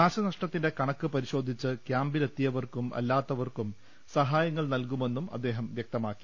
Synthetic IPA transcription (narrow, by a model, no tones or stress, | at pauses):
aːɕɐnɐʂʈɐt̪ːinde̞kɐɳɐkːɨpɐɾiɕo̞ːd̪ʱit͡ɕːɨkjaːmbilet̪ːijɐʋɐrkumɐ̰lːaːt̪ːɐʋɐrkum | sɐɦaːjɐŋːɐɭnɐlkume̞nːumɐ̰d̪ːe̞ːɦɐmʋjɐk̚t̪ɐmaːkːi